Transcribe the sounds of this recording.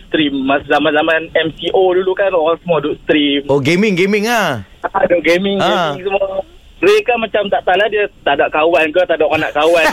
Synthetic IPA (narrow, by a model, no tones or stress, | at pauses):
st̪ɾimːaszamanzamanɛmsiʔodulukanoɣaŋsəmuadʊʔst̪ɾimoɡemɪŋɡemɪŋah | aduʔɡemɪŋemɪŋsəmua | əɾekamat͡ʃamt̪aʔt̪alahdiət̪adaʔkawankət̪adaʔkanaʔkawan